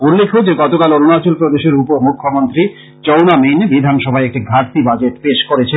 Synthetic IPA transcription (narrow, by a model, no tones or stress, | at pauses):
ulːekʰːod͡ʑeɡɔt̪okalononat͡ɕolpɾod̪eʃeɾupoɾmukʰːomont̪ɾi | t͡ɕownaminbid̪ʱanʃɔbʱaeek̚ʈiɡʱaɾt̪ibad͡ʑeʈpeʃkoɾet͡ɕʰe